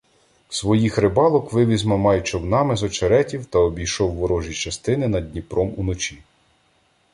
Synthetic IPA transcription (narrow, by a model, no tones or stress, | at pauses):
sʋɔjixɾɪbɑlˠɔkʋɪʋʲizmɔmɑjt͡ʃɔwnɑmɪzɔt͡ʃeɾɛtʲiwt̪ɐɔbʲijʃɔwːɔɾɔʒit͡ʃɐst̪ɪnɪnɐd̪d̚ʲnʲipɾɔmunɔt͡ʃʲi